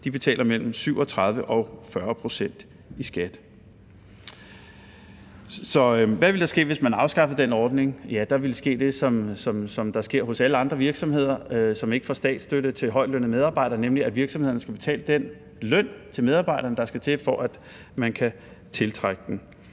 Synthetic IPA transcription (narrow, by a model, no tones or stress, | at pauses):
d̥ib̥e̝t͡sʰɛ̰ːlɐmel̰m̩syʊɒ̽t͡sʰʁɑ̈ð̞ˠʋəʔɒ̽fɶɐpʰʁo̝sen̰d̥ | isɡ̥æd̥ | sɒ̽ʋæʋe̝ld̥ɑ̈sɡ̥e̝̰ːʋe̝smænɑ̈ʊsɡ̥ɑ̈fð̩ˠd̥enɒːd̥ne̝ŋjæd̥ɑ̈ʋe̝lsɡ̥e̝̰ːd̥e̝sɒ̽msɒ̽msɒ̽md̥ɑ̈sɡ̥e̝ɐ̰ɦo̽sæləɑ̈nd̥ʁɐʋiɐɡ̥sɒ̽mhe̝ð̞̰ˠɐsɒ̽me̝ɡ̥əfɒsd̥ɛ̰ːd̥sd̥øɾət͡sʰe̝ɦɒ̽ɪ̰̥lønəmeð̞ˠɑ̈ːb̥ɑ̈ɪ̰ɾ̥ɐːnemliæʋiɐɡ̥sɒmhe̝ðˠɐnəsɡ̥æb̥e̝t͡sʰɛ̰ːləd̥en̰ | lœn̰t͡sʰe̝með̞ˠɑ̈ːb̥ɑ̈ɪ̰ɾɐːnəd̥ɑ̈sɡ̥æt͡sʰe̝fɒ̽ʔæd̥ | mænkʰæ | t͡sʰe̝lt͡sʰʁaɡ̥əd̥en̩